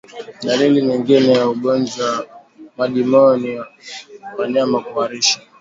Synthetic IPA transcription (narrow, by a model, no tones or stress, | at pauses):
ɗaliliɲɛŋɡinɛjauɡɔnd͡ʒwa | maʄimɔɔniawaɲamakuaɾiʃḁ